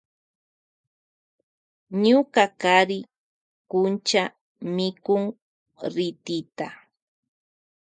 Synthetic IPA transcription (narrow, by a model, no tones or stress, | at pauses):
ɲʊkakaɾɪ | kʊnt͡ʃa | mɪkʊŋ | ɾɪt̪ɪt̪a